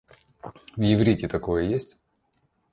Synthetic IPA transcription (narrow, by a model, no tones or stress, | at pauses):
vjɪvɾʲitʲɪt̪ɐko̞jəjesʲtʲ